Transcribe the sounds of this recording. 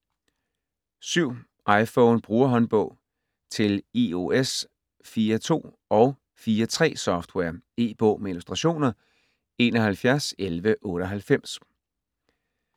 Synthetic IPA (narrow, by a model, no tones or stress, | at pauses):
syʊ̰ | ʔɑ̈ɪfɔʊnb̥ʁuːɐɦɒ̽nb̥ɔ̰̽ʊ̰ | t͡sʰe̝lio̝es | fiːɐt͡sʰo̝̰ː | ɒ̽ʊ | fiːɐt͡sʰʁɛ̰ːsɒ̽fd̥wɛɐe̝̰ːb̥ɔ̰̽ʊ̰meilusd̥ʁɑ̈ɕo̝̰ːnɐ | e̝̰ːnɒɦælfjæɐselʋəʔɔ̽ːɾəɒɦælfem̰s